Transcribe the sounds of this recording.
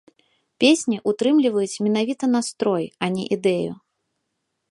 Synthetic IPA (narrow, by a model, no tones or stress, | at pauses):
pʲesʲnʲiʔut̪ɾɨmlʲivɐjut͡sʲmʲɛnavʲit̪ɐnast̪ɾɔjanʲḭʔid̪ɛjṵ